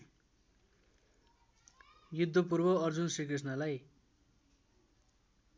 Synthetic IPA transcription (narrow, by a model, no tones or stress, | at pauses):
jud̪ʱːʌp̬urbʌʌrd͡zunsrikris̬nʌlaj